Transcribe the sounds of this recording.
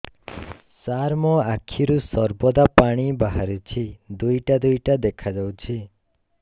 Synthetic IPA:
saɾmɔ̃akʰiɾusɔɾbɔd̪apaɽ̃ibaɦaɾut͡ʃʰid̪ujʈad̪ujʈad̪ekʰad͡ʒawt͡ʃʰi

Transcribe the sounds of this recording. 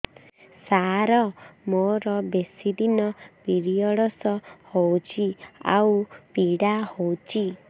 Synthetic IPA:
saɾɔmoɾɔbesid̪inɔpiɽijɔɽɔsɔhowt͡ʃʰia̰wpiɽahowt͡ʃʰi

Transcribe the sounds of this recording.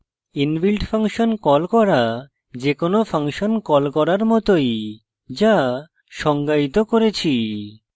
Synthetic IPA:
inbilʈfʰaŋʃonkɔlkɔɾa | d͡ʑekonopʰaŋʃonkɔlkɔɾaɾmɔt̪oj | d͡ʑa | ʃɔŋɡait̪okoɾet͡ɕʰi

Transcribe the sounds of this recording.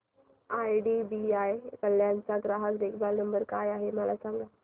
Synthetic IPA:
ajɖibiajkəlːjant͡saɡɾaɦəkɾekbalnəmbəɾkajaɦeməlasãŋɡa

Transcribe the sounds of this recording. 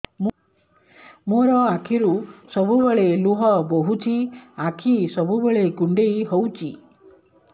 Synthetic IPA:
moɾɔakʰiɾusɔbubeɭeluɦɔboɦut͡ʃʰiakʰisɔbubeɭekuɳɖejɦowt͡ʃʰi

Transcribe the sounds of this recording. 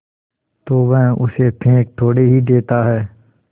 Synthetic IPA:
t̪oːʋɛ̃ːʔʊsepʰẽːk̚t̪ʰoːɽeɦid̪eːt̪aɦɛː

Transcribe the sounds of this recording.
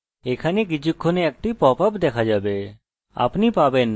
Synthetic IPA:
eːkʰaniɡɪd͡ʒʊkʰːoneɐk̚ʈipɔːpapd̪eːkʰad͡ʒaːbe | a̰ːpnipaːben

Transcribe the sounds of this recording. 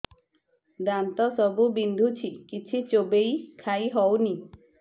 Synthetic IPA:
d̪ant̪ɔsɔbubind̪ʱut͡ʃʰikit͡ʃʰit͡ʃobejkʰajɦɔwni

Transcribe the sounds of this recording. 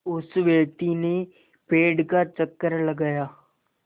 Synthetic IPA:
ʊsʋeːt̪iːneː | peːɖkaːt͡ʃəkːəɾləɡaːjaː

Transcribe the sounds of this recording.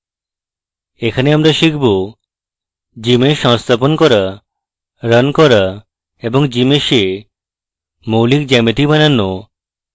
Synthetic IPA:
ekʰaneamɾaʃikʰbu | d͡ʒimeʃɔ̃ŋst̪ʰap̬ɔnkɔɾa | ɾənkɔɾa | ebɔŋd͡ʒimeʃe | mowlikd͡ʒɛmet̪ibanano

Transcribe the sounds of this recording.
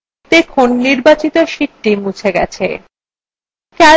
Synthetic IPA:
t̪ekʰonːiɾbat͡ɕit̪oʃiʈːimut͡ɕʰeɡɛ̰t͡ɕʰḛ | kɛ

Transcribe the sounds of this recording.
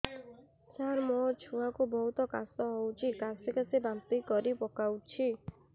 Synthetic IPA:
saɾmɔt͡ʃʰuakubɔɦut̪ɔkast̪ɔɦowt͡ʃʰikaspikasebamt̪ikɔɾipɔkawt͡ʃʰi

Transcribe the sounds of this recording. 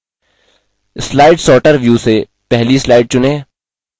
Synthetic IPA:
slaːɪɖsɔːʈəɾʋjuːse | pɛɦlislaːɪɖ̚t͡ʃʊnẽː

